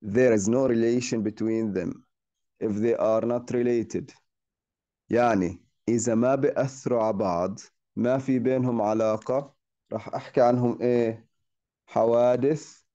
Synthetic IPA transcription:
ðəɾɪznoːɾɪleːʃə̃nbɪt̪wiːnðɛ̰̃m | ʔɪfðeːʔɑɾnɑt̪ɾɪleːt̪ɪd̪ | jaʕni | ʔɪðamabɪʔaθːɪɾuʕabɑʕd̪ˤ | mafibeːnɦʊmʕalɑːqɑ | ɾˤɑ̰ːħʔaħkiʕanɦʊmʔeː | ħawaːd̪ɪθ

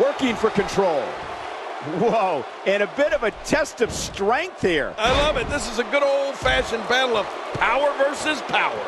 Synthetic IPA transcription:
wɜ˞kɪ̃ŋfə˞kɨ̃ntʰɹ̥oʊlˠ | woʊ | ɨ̃ñɨbɪɾʌvɨtʰɛstʌv̥stɹ̥ɛ̃ŋk̚θəɹaɪlʌvɨt̪̚ðɪs̬ɨzɨɡʊɾoʊlˠd̥fæʃɨ̃nbæɾl̩ˠʌv̥pʰaʊə˞vɜ˞sɨz̥pʰaʊə̰˞

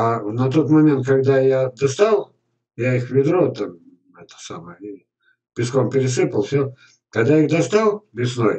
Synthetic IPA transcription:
anɐt̪o̞t̪mɐmʲent̪̚kɐɡd̪ajad̪ɐst̪alˠ | jaixvʲɪd̪ɾot̪am | ɛt̪ə̥sa̰məjəi | bʲɪskompʲɪɾʲɪsɨpəlˠfsʲo | kɐɡd̪aixd̪ɐst̪alˠbʲɪsnoj

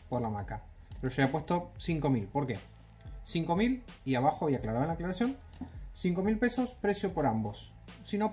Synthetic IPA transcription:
poɾlamaka | peɾoʃaβjapwe̞st̪o̞siŋko̞milpo̞ɾke̞ | siŋko̞miliaβaxoaβiaklaɾaðenlaeklaɾasjo̞n | siŋko̞milpe̞so̞spɾe̞sjopo̞ɾambo̞sː | ino̞

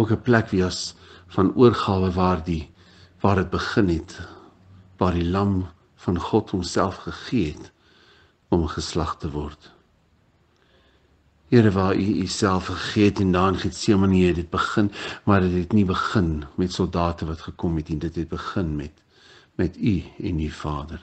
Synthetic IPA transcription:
əkəplækviəsfɐnuərχɑːvəvɑːrdi | vɑːrdət̚bəχənɦɛt | vɑːrdilɐm | fɐnχɔthɔmsælˠfχəχiəɦɛt | ɔmχəslɐχtəvɔrt | iəɾəvɑːyːsælˠfχəχiəɛtɛndɑːənχitsiəməniədət̚bəχənmɐrdətɦɛtnibəχənmɛtsɔlˠdɑːtəvɐtχəkɔmɦɛtnidətɦɛt̚bəχənmɛt | mɛtyɛnyfɑːdər

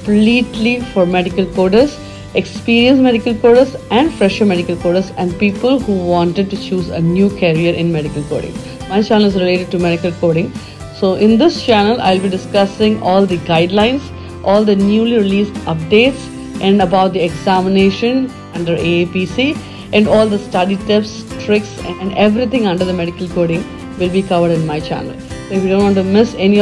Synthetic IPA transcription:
pliːʈlifɔɾmɛɖɪkəlkoːɖəɾs | ekspiːɾiə̃nsmɛɖɪkəlkoːɖəsɛ̃ɳɖfɾɛʃəmɛɖɪkəlkoːɖəɾsɛ̃ɳɖ̚piːpəlhuːʋɔ̃ːɳʈeɖ̚ʈut͡ʃuːzənjuːkʰɛɾiəɾʔɪ̃nmɛɖɪkəlko̰ːɖɪ̰̃ŋ | maɪt͡ʃænəlɪzɾɪleːʈɪɖ̚ʈumɛɖɪkəlkoːɖɪ̃ŋ | soːʔɪ̃nd̪ɪst͡ʃænəlʔa̰ɪlbiɖɪskʌsɪ̃ŋɔːld̪iɡaɪɖlãɪ̃ns | ʔɔːld̪ənjuːliɾɪliːsʈʌp̚ɖeːʈs | ʔɛ̃ɳɖəbaʊʈ̚d̪ieɡsæmɪneːʃə̃n | ʌ̃ɳɖəɾepiːsiː | ʔɛ̃ɳɖɔːld̪əsʈɐɖiʈɪps | ʈɾɪksɛ̃ɳɖeʋɾit̪ʰɪ̃ŋʌ̃ɳɖəɾd̪əmɛɖɪkəlkoːɖɪ̃ŋ | ʋɪlbiːkʌʋəɾɖɪ̃nmaɪt͡ʃæ̰nə̰lsoːɪfjuɖõːnʋɔ̃ɳʈumɪseni

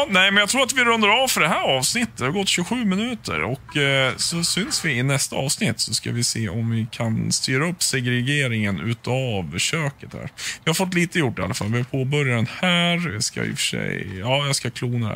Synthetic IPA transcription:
nɛɪmɛnjɑkt̪ʰɾuːɾat̪vɪɾɵnd̪aɾɑːvfœɖɛɦæːɾɑːvsnɪt̪ːəd̪ɛhaɾɡɔt̪ːɕʉɡəɧʉ̟ːmɪnʉ̟ːt̪ʰə̰ɾɔkːsɔsʏnsvɪɪnɛst̪aɑːvsnɪt̪ːsɔska̰vɪseːʔɔmvɪkʰanst̪yːɾaɵpːsɛɡɾɛɡeːɾɪŋənʉ̟̰ːt̪avɕøːkət̪hæ̰ːɾvɪhaɾfɔt̪ːliːt̪əjʊʈːɪa̰lːafa̰lvɪhaɾpʰoːbœɾjanhæːɾska̰ɪ̰fə̥ʂɛ̰jɑːjɑskakʰluːna̰

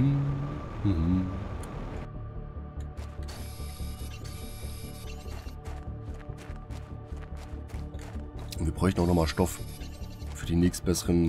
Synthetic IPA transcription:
h̩hm̩ | viːɐbʁɔʏçtn̩aʊxnɔχmaːlʃtɔf | fyːɐdiːnɛːkstb̥ɛsəʁən

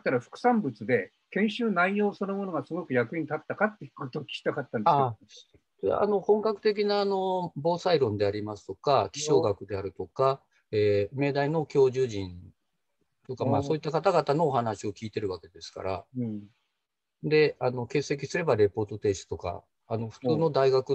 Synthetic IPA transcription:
t̪ːaɾaɸɯ̥kɯ̟̥sãmbɯt͡sɨd̪e̞ | kẽ̞ɰ̃ɕɨːnaijo̞ːso̞no̞mo̞noɡasɨɡo̞kɯ̟jakɯ̟iɲ̃it̪at̪ːakat̪ːeikot̪oːkʲi̥kʲi̥t̪akat̪ːãnd̪a | a̰a̰no̞hõ̞ŋkakɯ̟t̪e̞k̬ʲinaːno̞boːsaiɾõ̞nd̪e̞aɾʲimasɨ̥t̪o̞kakʲi̥ɕo̞ːɡakɯ̟d̪e̞aɾɯ̟t̪o̞ka | eːme̞d̪aino̞kʲo̞ːʑɨːʑĩn | t̪o̞kamaːsso̞ːit̪ːakat̪aɡat̪ano̞ːhanaɕio̞kʲiːt̪e̞ɾɯ̟βake̞d̪e̞sɨ̥ka̰ɾa̰ | d̪e̞ano̞ke̞ːsːe̞kʲisɨɾe̞baɾe̞po̞ːt̪o̞t̪e̞ːɕi̥t̪o̞ka̰ː | no̞ɸɯ̟̥t͡sɨːno̞d̪aiɡakɯ̟

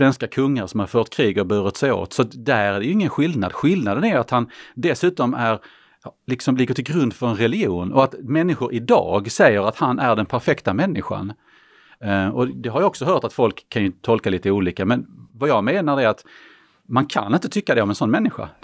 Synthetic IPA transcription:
svɛnskakʰɵŋːaɾsɔmhaɾfœːʈ̪kʰɾiːɡɔbʉːɾɪt̪sɛjo̰ːt̪sɔt̪d̪æɾæɖɛjɵɪŋːənɧɪld̪nad̪ɧɪld̪nad̪ənæɾjat̪hand̪ɛsʉ̟ːt̪ɔmæɾ | lɪksɔmlɪɡəʈʰɪlɡɾɵnd̪fœɾɛnɾɛlɪjuːnɔ̰at̪mɛnːɪɧʊɾʔɪd̪ɑ̰ːɡsɛjːəɾat̪hanʔæɖɛnpʰæɾfɛkt̪amɛnːɪɧa̰n | ɔd̪ɛɦaɾjɔksɔɦœːʈat̪fɔlkʰːanjɵt̪ʰɔlkaliːt̪əuːliːkamɛnvajɑːɡmeːnaɾɛɾat̪ | mankʰa̰nɪnt̪ət̪ʰʏkːad̪ɛɔmɛnsɔnːmɛnːɪɧa̰

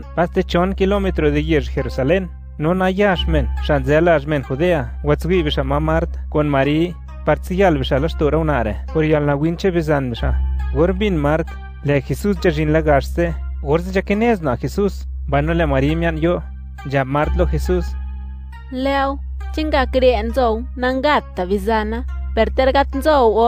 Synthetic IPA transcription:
past̪et͡ʃonkilomet̪ɾod̪ejeʃxeɾusalenː | onajaʂmenʂanzelaʐmenxud̪eawat͡sɡʷibiʂamamaɾt̪konmaɾi | paɾt͡sijalbiʂalaʂt̪oɾawnaɾḛpoɾjalnawint͡ʃeβizanbiʂaɣoɾmbinmaɾt̪ | lɛxesus̬nd͡ʒaʒinlaɣaʂzeɣoɾzed͡ʒakeneznaxesusmbajnolɛmaɾimjanjo | nd͡ʒab̚maɾt̪loxesus | lewt͡ʃeŋɡakɾenzownaŋɡat̪ːabizanapeɾt̪eɾɡat̪nzowo

